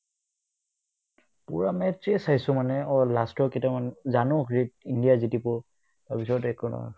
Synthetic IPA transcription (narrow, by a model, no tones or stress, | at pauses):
puɹamɛtɹɛsajsʊmanɛɔlastɔkɛtamanzanɔkɹit̚indijazitipɔ | tapisɔtɛkɔnɔ̰